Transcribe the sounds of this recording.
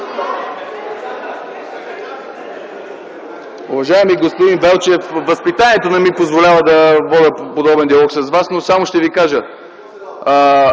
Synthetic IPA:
uvɐʒaɛmiɡospod̪invɛlˠt͡ʃɛfvɐspit̪anʲiɛt̪onɐmipozvolʲavəd̪ɐvɔd̪əpod̪ɔbɛnd̪iɐlˠɔksɐsvasnosamoʃt̪ɛvikaʒə

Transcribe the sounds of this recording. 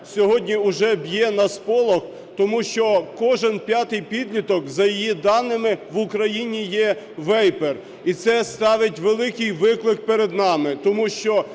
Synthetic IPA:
sʲɔɦɔdʲnʲiʊʒɛbjɛnɐspɔlˠɔx | t̪ɔmuʃt͡ʃɔkɔʒenpʲjɑt̪ɪjpʲid̪ʲlʲit̪ɔkzɐjijid̪ɑnːɪmɪʋʊkɾɐjinʲijɛ | ʋɛjper | it̪sɛst̪ɑʋɪtʲʋelˠɪkɪjʋɪklˠɪk̚peɾed̪nɑmɪt̪ɔmuʃt͡ʃɔ

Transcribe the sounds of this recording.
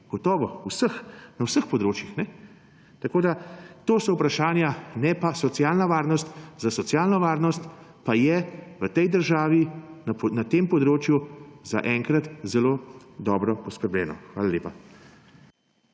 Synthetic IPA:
ɡ̥ɔt̪ɔːʋɔwsəxnawsəxpɔd̪ɾoːt͡ʃjixnɛ | t̪akoːd̪at̪oːsɔwpɾaʃaːnjanɛpasɔt̪sijaːlnaʋaːɾnɔst̪zasɔt̪sjaːlnɔʋaːɾnɔst̪pajɛʋət̪ɛjd̪əɾʒaːʋinnat̪eːmpɔd̪ɾoːt͡ʃjuza̰ʔɛŋkɾat̪zɛloː | d̪ɔːbɾɔpɔskəɾblɛ̰ːnɔ̰xʋaːlalʲeːpa

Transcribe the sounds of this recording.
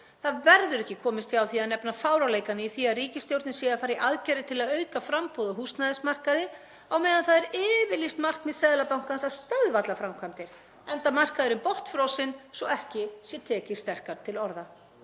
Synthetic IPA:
θaðvɛɾðʏɾɛhcːɪkʰɔːmɪst̪ʰiawθiaðnɛpnafaːwɾalejkanɪiθiaðriːcɪst̪jowɾt̪nɪsɛafaːɾɪʔaðcɛɾɪt̪ʰɪlaðœːɥkafɾampowðɔɦust̪naðɪsmar̥kaðɪ | awmɛːðanθaðɛɾɪːvɪlist̪mar̥kmɪðsɛːðlapawŋ̥kansaðst̪œðvat̪lafɾamkʰvamt̪ɪɾ̥ | ɛnt̪amar̥kaðɪɾʏmpɔht̪fɾɔwsɪnsɔɛhcɪsjɛt̪ʰɛːcɪ̥st̪ɛr̥kaɾt̪ʰɪlɔɾða

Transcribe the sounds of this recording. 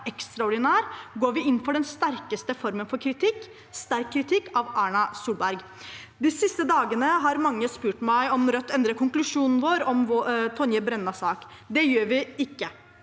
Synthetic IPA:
ɛkst̪ɾɑɔɖɪnæːɾɡoːɾʋɪɪnːfɔɖɛnst̪æɾkəst̪əfɔɾmənfɔɾkʰɾɪt̪ʰɪkː | st̪æɾkʰːɾɪt̪ʰɪkːɑʋʔæːɳɑsuːlbæɾɡ | d̪ɪsɪst̪əd̪ɑːɡənəɦɑɾmɑŋːəspʉːʈmæɪɔmɾœt̪ːɛnd̪ɾəkʰʊŋklʉʂuːnn̩ʋoːɾɔmːt̪ʰɔnjəbɾɛnːɑsɑːk | d̪ɛjøːɾʋɪɪkːə

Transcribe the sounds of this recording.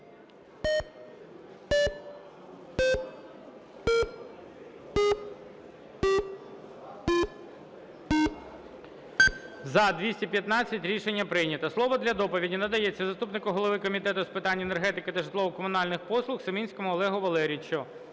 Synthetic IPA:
zɐd̪ʋʲisʲtʲipʲjɐt̪nɑt͡sʲːɐtʲɾʲiʃenʲːɐpɾɪjnʲɐt̪ɐslˠɔʋɔd̪lʲɐd̪ɔpɔʋʲidʲinɐd̪ɐjɛt͡sʲːɐzɐst̪upnɪkʊɦɔlˠɔʋɪkɔmʲit̪ɛt̪ʊspɪt̪ɑnʲːenerɦɛt̪ɪkɪt̪ɐʒɪt̪lˠɔʋʊkɔmʊnɑlʲnɪxpɔslˠʊxsɐmʲinʲsʲkɔmʊɔlˠɛɦʊʋɐlˠɛɾʲit͡ʃʊ

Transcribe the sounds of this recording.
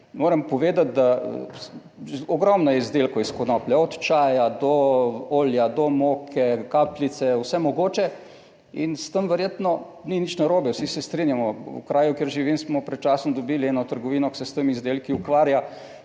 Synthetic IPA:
moːɾɛmpɔʋeːd̪at̪̚d̪a̰ | ɔɡɾɔmnɔjɛizd̪elkɔiskɔnɔplɛɔt̪t͡ʃaːjad̪ɔoːljad̪ɔmokʰɛkaplit̪sɛwsɛmɔɡoːt͡ʃɛ | inst̪əmʋɛɾjeːt̪nɔ | ninit͡ʃnaɾoːbɛwsisɛst̪ɾinjamɔṵkɾaːjukjeːɾʒiʋinsmɔpɾɛt̪t͡ʃasɔnd̪ɔbiliɛnɔt̪əɾɡɔʋinɔksɛst̪əmizd̪eːlkiukʋaːɾja

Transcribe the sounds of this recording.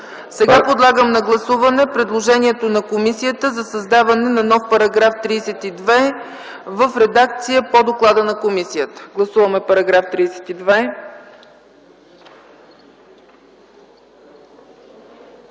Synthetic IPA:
sɛɡapod̪lˠaɡəmnɐɡlˠɐsuvɐnɛpɾɛd̪lˠoʒɛniɛt̪onɐkomisijət̪əzɐsɐzd̪avɐnɛnɐnɔfpɐɾɐɡɾaft̪ɾiːsɛt̪id̪vɛ | vəfɾɛd̪ak̚t̪sijəpod̪oklˠad̪ənɐkomisijət̪ə̥ɡlˠɐsuvəmɛpɐɾɐɡɾaft̪ɾiːsɛ̥t̪id̪vɛ

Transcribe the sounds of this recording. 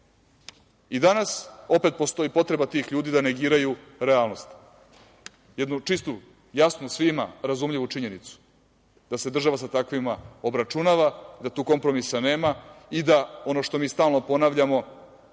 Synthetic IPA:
id̪anaso̞pe̞t̪po̞st̪o̞ipo̞t̪ɾe̞bat̪iːxʎuːd̪iːd̪ane̞ɡiːɾajuɾealˠno̞st̪ | jed̪nut͡ʃist̪u | jasnusʋimaɾazumʎiʋuʈ͡ʂiɲe̞nit̪su̥ | d̪̥ase̞d̪r̩ʒaʋasat̪akʋimao̞bɾat͡ʃunaʋad̪at̪uːko̞mpɾo̞misaneːmaid̪ao̞no̞ʃt̪o̞miːst̪aːlˠno̞po̞naʋʎamo̞

